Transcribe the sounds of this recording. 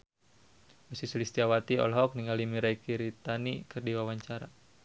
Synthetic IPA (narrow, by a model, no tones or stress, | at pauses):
musisəlist̪iawat̪iɔ̰lɦɔk̚niŋalimiɾaikiɾit̪anikɨrdiwawaɲt͡ʃaɾa